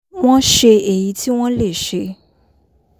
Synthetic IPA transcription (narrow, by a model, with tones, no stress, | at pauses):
w̃ɔ̃˦ʃe˧e˨ji˨˦ti˦w̃ɔ̃˦le˦˨ʃe˧